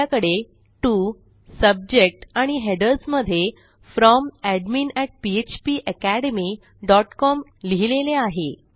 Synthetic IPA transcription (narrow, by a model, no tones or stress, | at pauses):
akəɽe | ʈuː | səb̚d͡ʑek̚ʈaɽ̃iɦeɖəɾsməd̪ʱːje | fɾɔmæɖminæʈ̚piet͡ɕpiːʔəkæɽemi | ɖɔʈkɔmliɦileleaɦe